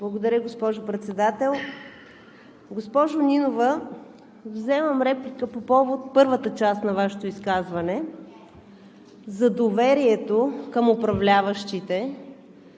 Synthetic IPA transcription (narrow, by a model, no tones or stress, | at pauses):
blˠɐɡod̪ɐɾʲəɡospɔʒopɾɛt̪sɛd̪at̪ɛlˠ | ɡospɔʒʊnʲinovə | vzɛməmɾɛplʲikəpopɔvot̪̚pɤɾvət̪ət͡ʃast̪nɐvaʃɛt̪oiskazvɐnɛ | zɐd̪ovɛɾiɛt̪okəmʊpɾɐvlʲavəʃt̪it̪ɛ